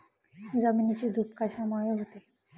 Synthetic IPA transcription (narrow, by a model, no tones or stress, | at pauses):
d͡zaminit͡ɕiːd̪ʱupkaɕamajəɦot̪e